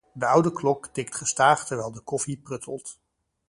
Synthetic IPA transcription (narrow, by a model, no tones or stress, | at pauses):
dəʌwdəklɔktɪk̚tχəstaːχtɛɹʋɛjlˠdəkɔfiprɵtʰəlˠt